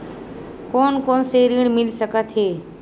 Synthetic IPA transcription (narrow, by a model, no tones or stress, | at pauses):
koːnkoːnseɾiɽ̃mɪlisəkat̪ɦeː